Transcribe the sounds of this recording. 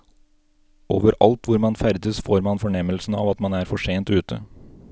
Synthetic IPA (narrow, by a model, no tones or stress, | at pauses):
o̰ːʋəɾɑ̰lt̪ʋʊɾmɑnfæɾd̪əsfoːɾmɑnfɔɳɛməlsn̩ɑ̰ːʋɑt̪mɑnæːɾfɔʂeːnt̪ʉːt̪ə̰